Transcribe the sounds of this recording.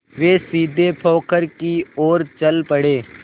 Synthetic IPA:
ʋeːsiːd̪ʱepʰoːkəɾkioːɾt͡ʃəlpəɽeː

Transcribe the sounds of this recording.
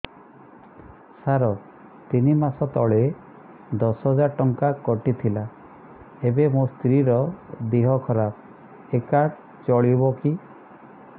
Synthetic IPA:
saɾɔ | t̪inimasɔt̪ɔɭe | d̪ɔsɦɔd͡ʒaɾʈɔŋkakɔʈit̪ʰila | ebemost̪ɾiɾɔd̪iɦɔkʰɔɾap̚ | ekaʈ | t͡ʃɔɭibɔki

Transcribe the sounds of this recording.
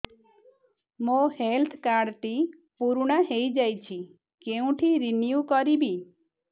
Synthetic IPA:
mohelt̪ʰkaɾɖʈ̪i | puɾuɽ̃aɦejd͡ʒajt͡ʃʰi | keũʈʰiɾinjukɔɾibi

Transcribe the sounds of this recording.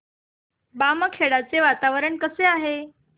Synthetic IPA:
baməkʰeɽat͡seʋat̪aʋəɾəɳkəseaɦe

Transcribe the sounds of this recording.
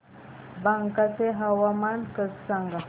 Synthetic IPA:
baŋkat͡seɦawamankəssaŋɡa

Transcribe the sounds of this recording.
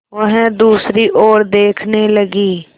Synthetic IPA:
ʋəɦd̪uːsɾiʔoːɾd̪eːkʰneləɡiː

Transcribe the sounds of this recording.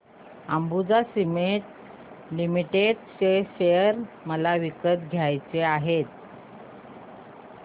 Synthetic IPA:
ambud͡zasimeʈ̪̚ | limiʈeɖɕeɕejəəɾ | məlaʋikət̪ɡʱjajt͡seaɦet̪̚

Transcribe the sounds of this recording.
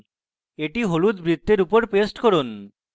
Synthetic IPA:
eʈiɦolud̪bɾid̪ːeɾupoɾpesʈkɔɾon

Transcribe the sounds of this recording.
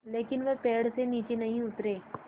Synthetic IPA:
leːkɪnʋɐɦpeːɽseniːt͡ʃenɐɦĩʊt̪ɾeː

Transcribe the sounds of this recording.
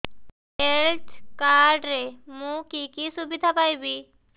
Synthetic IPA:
eɭʈkaɾɖɾemũkikisubid̪ʱapajbi

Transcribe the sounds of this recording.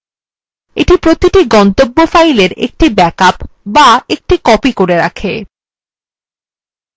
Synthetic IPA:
ḛʈipɾot̪iʈiɡɔnt̪obːofajleɾḛk̚ʈibɛkapbaek̚ʈikɔpikoɾeɾa̰kʰe

